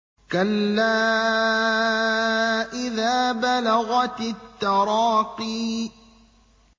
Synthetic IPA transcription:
kalːaː | ʔɪðaːbalaɣat̪t̪ːɑɾɑːqiː

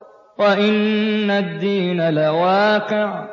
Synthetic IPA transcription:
waʔɪnːad̪ːiːnalawaːqɪʕ

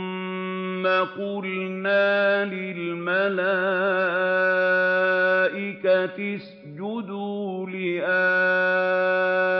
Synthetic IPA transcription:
mː | aqʊlnaːlɪlmala | ʔɪkat̪ɪs | d͡ʒʊd̪uːlɪʔa

